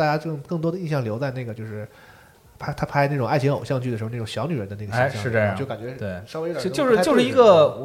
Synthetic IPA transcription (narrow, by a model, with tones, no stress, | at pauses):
a˥˧˩t͡ɕja˥ɤ˥˩ŋkɤ˥˩ŋt̪wɔ˥d̪ə˧i˥˧ɕjɑ˥˩ŋljo˧˥ʊt͡sa˥˧ɪne˥˩ɡə˩t͡ɕjo˥˧ʊʂɻ̩˥˩ | pʰa˥ɪt̪ʰa˥pʰa˥ɪna˥˩ʈ͡ʂʊ˨˩ŋa˥˩ɪt͡ɕʰi˧˥ŋo˨˩ʊɕjɑ˥˧ŋt͡ɕy˥˩də˩ʂɻ̩˧˥˧n˥˩ɕjɑ˧˥ʊny˨˩ə˧˥nd̪ə˦a˥˩ɡəɕi˥˧ɕjɻ̩˥˧ə˥˩jɑ˧˥t͡ɕo˥˩ʊka˨˩nt͡ɕɥɛ˧˥t̪we˥˩ɪʂɑ˥e˥˩˨t͡ɕjʂɻ̩˥˧˥t͡ɕo˥˧ʂɻ̩˥˩i˧˥ɡə˧